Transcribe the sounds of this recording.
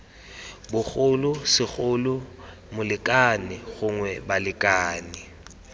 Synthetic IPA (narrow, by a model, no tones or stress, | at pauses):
bʊk͡xʊlʊsɪχʊlʊ | mʊlɪkʼanɪɣʊŋwɛbalɪkʼaːnɪ